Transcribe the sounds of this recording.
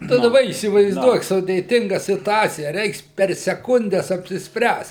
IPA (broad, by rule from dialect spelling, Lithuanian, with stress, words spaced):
tɐɪ dɐˈbɐ iːsʲɪʋɐɪzˈduɔk sʊdʲeːˈtʲɪŋɡɐ sʲɪtʊˈɑːt͡sʲɪjɛ ˈrʲɛɪks pʲɛr sʲɛˈkʊnʲdʲɛs ɐpʲsʲɪsʲˈpʲrʲæːst